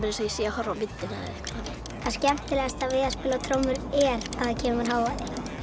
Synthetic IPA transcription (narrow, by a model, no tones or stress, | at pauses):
pɪnɪsajɛsɛahɔɾvapɪt̪ːɪnaa̰ɛhkaa | aðscɛm̥t̪ɪlɛɣast̪avɪːðaspɪːlawt̪ʰɾowmːʏɾɛɾavðacʰɛːmʏmaɾ̥ɦaːwvaðɪ